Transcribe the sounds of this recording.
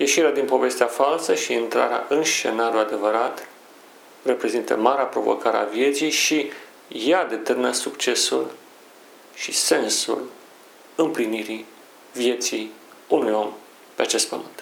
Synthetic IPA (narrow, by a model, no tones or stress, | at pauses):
je̞ʃiɾead̪inpo̞ve̞st̪eafalsəʃiːnt̪ɾa̰ɾea̰ʔɨnʃt͡ʃe̞̰naɾjuad̪e̞vəɾat̪ | re̞pɾe̞zint̪ə̰maɾeapɾo̞vo̞̰kaɾea̰vje̞t̪sijʃi | jad̪e̞t̪erminəsukt͡ʃe̞sṵl | ʃise̞nsṵl | ɨmpliniɾi | vje̞t̪sij | unujo̞m | pe̞at͡ʃe̞st̪̚pəmɨnt̪